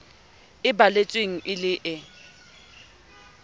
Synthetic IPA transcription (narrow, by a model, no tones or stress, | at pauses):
ɪbalet͡sʼweŋ̩ʔɪlɪʔɪ